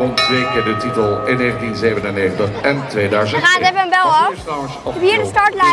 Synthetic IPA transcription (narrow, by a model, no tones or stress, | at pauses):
ɔntʋeːkədətitəlˠɪnːeːɣəntinzeːvənənːeːəntəχɛntʋeːdœɥzəxaːnətɛfəənbɛlˠɔf | biədəstɑːɹtla